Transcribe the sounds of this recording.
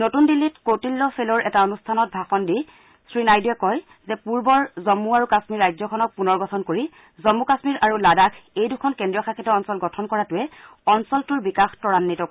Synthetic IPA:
notundilːitkotilːɔfelɔɹʔɛtaonustʰanɔt̚bʱaxɔndi | sɹinajduɛkɔj | zɛpuɹbɔɹzɔmːuaɹukasmiɹajzɔkʰɔnɔk̚punɔɹɡɔtʰɔnkoɹi | zɔmːukasmiɹʔaɹuladakʰejdukʰɔnkɛndɹijɔxakʰitɔɔnsɔlɡɔtʰɔnkɔɹatʊɛ | ɔnsɔltʊɹbikaxtɔɹanːitɔk

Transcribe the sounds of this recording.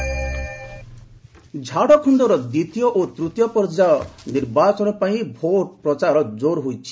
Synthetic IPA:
d͡ʒʱaɽɔkʰund̪ɔɾɔd̪it̪ijɔʔot̪ɾut̪jɔpɔɾd͡ʒaɔniɾbat͡ʃɔnɔpaĩbʱoʈpɾɔt͡ʃaɾɔd͡ʒoɾɦojt͡ʃʰi̥

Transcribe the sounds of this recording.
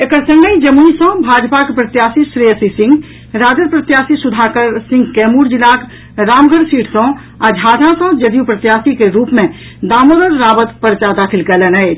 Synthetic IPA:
ekəɾsə̃ŋɡəĩd͡ʒəmuisɔ̃bʱaːd͡ʒpakepɾɐt̪jaːsisɾeːsisɪ̃ŋɡ | ɾaːd͡ʒəɾpɾət̪jaːsisʊd̪ʱakəɾsɪ̃ŋɡkɛːmuːɾd͡ʒilaːk | ɾaːmɡʱəɾsiːʈʰsɔ̃ | ad͡ʒʱaːd̪ʱãsɔ̃d͡ʒəd̪jupɾət̪jaːsikeɾuːpmẽ | d̪aːmod̪əɾːaːbət̪pəɾt͡ʃad̪aːkʰɪlkələnəe

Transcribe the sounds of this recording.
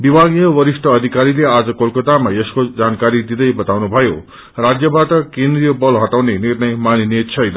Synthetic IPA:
bibʱaɡijʌbʌɾisʈʰʌːd̪ʱikaɾilead͡zʌkolkʌt̪amaeskod͡zankaɾid̪id̪ʌjbʌt̪awnubʱʌjo | rad͡zjʌbaʈʌkend̪rijʌbʌlɦʌʈawnenirnʌjmaninet̪t͡sʰʌjnʌ̰

